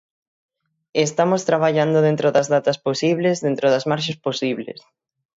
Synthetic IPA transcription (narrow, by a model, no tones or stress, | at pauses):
est̪amost̪ɾaβaʎand̪oðẽnt̪ɾoðɐzðat̪ɐsposiβlezðent̪ɾoðɐzmaɾʃ̬asposiβlḛs